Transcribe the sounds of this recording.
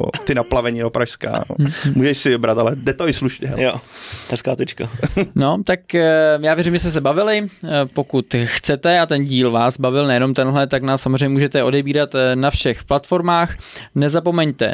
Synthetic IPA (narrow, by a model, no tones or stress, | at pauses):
o̰t̪ɪnaplavɛɲidopɾaʃska̰ːno̰muːʒɛʃsɪvɪbɾat̪alɛdɛt̪oɪsluʃɲɛɦɛ̰jo̰ɛskaːt̪ɛt͡ʃkano̞t̪akjaːvjɛɾimʒɛst̪ɛs̬ɛbavɪlɪpo̞kut̪xt͡sɛt̪ɛat̪ɛnɟiːlvaːsbavɪlnɛjɛno̞mt̪ɛnɦlɛt̪aknaːssːamozreɛɲɛmuːʒɛt̪ɛʔo̞dɛbiːɾat̪nafʃɛxplat̪fo̞ɾmaːxnɛzapo̞mɛɲt̪ɛ̰